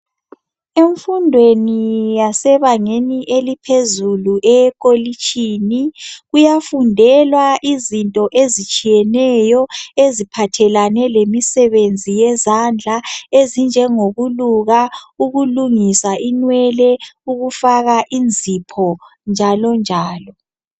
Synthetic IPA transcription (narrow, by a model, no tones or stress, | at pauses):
eɱfundʱwenijasɛβaŋeniʔelipʰezuluʔɛkʼolit͡ʃʼiniɣujafundʱɛlwaʔizintʼɔʔezit͡ʃʼijɛnɛjɔezipʰatʰɛlanɛlemisɛβend͡zʱijɛzand͡ɮʱaezind͡ʒʱɛŋoɣuluɣauɣuluŋisaʔinwɛlɛuɣufaɣaʔind͡zʱipʰɔ | nd͡ʒʱalɔnd͡ʒʱaːlɔ